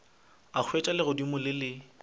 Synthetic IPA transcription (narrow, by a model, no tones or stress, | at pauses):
ak͡xʰwet͡ʃʼalɪɣʊdimʊlɪlɪ